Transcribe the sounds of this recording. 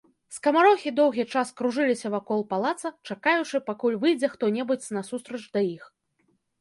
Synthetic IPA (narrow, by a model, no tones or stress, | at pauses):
skɐmaɾɔxʲid̪ɔwɣʲit͡ʂaskɾuʐɨlʲisʲɐvakɔlˠpalˠat̪sɐt͡ʂakajut͡ʂɨpakulʲvɨjd͡zʲɛxt̪ɔnʲɛbut͡sʲnɐsust̪ɾɐt͡ʂd̪ɐjix